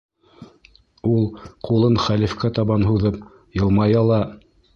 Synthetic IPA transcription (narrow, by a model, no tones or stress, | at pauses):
ulˠqulˠɤnχælifkæt̪ɑβɑnɦuðɤp̚ | jɤ̆lˠmɑjɑlˠɑ